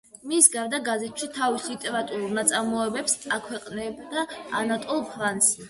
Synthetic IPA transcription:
misɡaɾd̪aɡazɛt̪ʰʃit̪ʰavisit̪ʼɛɾat̪ʼuɾulˠnat̪sʼaɾmɔɛbɛpsakʰwɛqʼnɛbd̪aanat̪ʼɔlˠpʰɾans

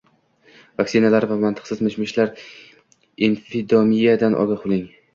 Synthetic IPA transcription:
vaksɪnalaɾvamant̪ʰɨ̥qsɪzmɪʃmɪʃlaɾ | infid̪ɒmijad̪anʔɒ̰ɡʲaqʰʊlˠɪŋ

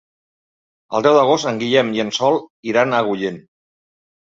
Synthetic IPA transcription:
ə̰lˠd̪ɛwd̪əɣ̞ost̪əŋɡiʎɛmiənsɔlˠiɾanəɣuʎen

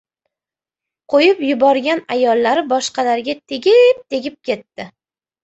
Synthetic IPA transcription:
qʰojɪpjʊbɒɾɡʲanajɒlˠːaɾɪbɒʃqɑlaɾɡʲat̪ʰe̞ɡʲɪp̚t̪ʰe̞ɡʲɪp̚kʲʰe̞t̪ːɪ

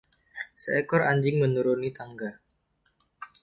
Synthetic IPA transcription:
səɛkɔɾaɲd͡ʒɪŋmənuɾunit̪aŋɡar

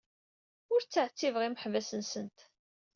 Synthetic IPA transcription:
ʊɾt͡sːəʕt͡sːivəʁiməħvæsənsənt̪

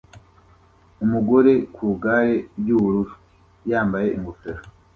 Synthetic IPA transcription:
umuɡo̞ɾe̞kuːɡaːɾejuːuɾuʃwi | jaːmbaje̞ʔiŋɡufeɾo

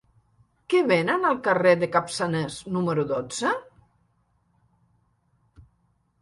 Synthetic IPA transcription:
keβenənalˠkareðekapsaneznuməɾuðod͡z̥ə

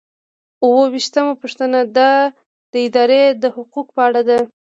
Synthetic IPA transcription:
uwəwiʃt̪amapuʂt̪ənad̪ɑ | d̪̥əɪd̪ɑɾed̪əhʊqukpəaɽad̪a

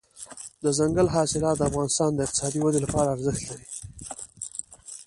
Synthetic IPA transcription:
d̪əzaŋɡəlɦɑsɪlɑt̪̚d̪əafɣɑnɪst̪ɑnd̪əɪqt̪ɪ̥sɑd̪iwad̪elapɑɾaːɾzɪxt̪laɾi

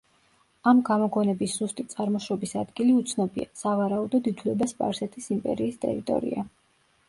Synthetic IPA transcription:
amɡamɔɡɔnɛbisz̥ust̪ʼit̪sʼaɾmɔʃɾɔbisad̪ɡiliut̪sʰnɔbḭa̰savaɾaud̪ɔd̪it̪ʰulɛbaspʼa̰ɾsɛt̪ʰisimpʼɛ̰ɾiːst̪ʼɛ̰ɾit̪ʼɔ̰ɾḭa

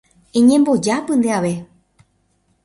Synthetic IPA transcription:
ẽɲẽ̞mbo̞d͡ʒapɨ̃nd̪eaʋe̞

